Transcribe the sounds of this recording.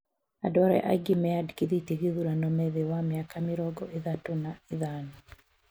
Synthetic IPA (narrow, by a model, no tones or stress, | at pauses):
a̰dwaɾɛ̰ʔa̰ɡemɛadkeðiteɣeðuɾanɔmɛðewameakameɾɔɡɔʔeðatonaeðanɔ